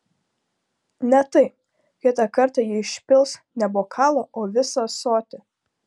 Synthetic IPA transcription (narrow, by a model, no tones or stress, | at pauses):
nʲɛt̪ɐɪp | kʲɪɛt̪ɑkɐɾt̪ɑjɪɪʃʲpʲɪlˠsnʲɛboːkʰɑːlˠoːʔoːʋʲɪsoːsoːt̪ʲɪ